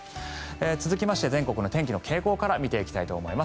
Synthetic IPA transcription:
et͡sɨzɨkʲimaɕi̥t̪e̞zẽ̞ŋko̞kɯ̟no̞t̪ẽ̞ŋkʲino̞kʰe̞ːko̞ːkaɾamʲit̪e̞ikʲi̥t̪ait̪o̞ːmo̞imas

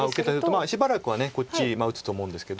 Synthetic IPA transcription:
aɯ̟ke̞t̪aoomaɕibaɾakɯ̟βaneko̞t͡ɕːimaɯ̟t͡sɨ̥t̪o̞ːmo̞ɯ̃nd̪e̞sɨ̥ke̞d̪o

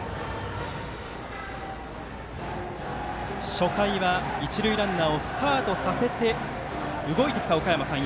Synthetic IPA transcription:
ɕo̞kaiβait͡ɕiɾɯ̟iɾãnːao̞sɨ̥t̪aːt̪o̞sase̞t̪e̞ | ɯ̟ɡo̞it̪e̞kʲi̥t̪ao̞kajemasã

